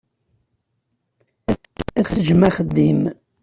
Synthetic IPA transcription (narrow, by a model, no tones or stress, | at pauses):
æθəʒmæχəd̪ːim